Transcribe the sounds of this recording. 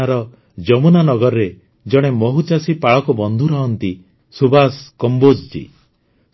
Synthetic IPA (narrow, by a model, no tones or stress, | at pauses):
aɾɔ | d͡ʒɔmunanɔɡɔɾɔɾe | d͡ʒɔɽ̃emɔɦut͡ʃasipaɭɔkubɔnd̪ʱuɾɔɦɔnt̪i | subaskɔmbod͡ʒd͡ʒḭ